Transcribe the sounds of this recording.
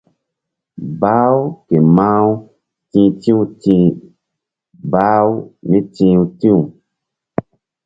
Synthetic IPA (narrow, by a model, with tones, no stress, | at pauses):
baː˦wke˨mãː˦wu˦ | tĩ˧˦tĩ˦u˨tĩ˧˦ | baː˦wu˦mĩ˦tĩː˧˦u˧tĩ˦u˨